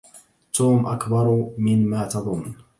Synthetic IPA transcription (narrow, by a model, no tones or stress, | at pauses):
t̪uːmʔakbɑɾˤmɪnmaːt̪ɑðˤʊnː